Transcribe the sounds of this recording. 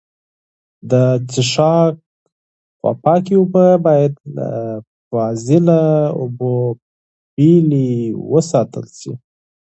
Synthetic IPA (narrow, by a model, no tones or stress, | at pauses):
d̪ət͡sɪʃɑk̚ | xwa̰pɑkiubəbɑjad̪ | fɑzɪlaṵbo | biliwəsɑt̪ə̰lʃḭ